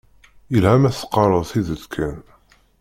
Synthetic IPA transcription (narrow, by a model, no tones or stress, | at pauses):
jəlhæmæθqːɑɾˤəðˤθiðət̪kʰæn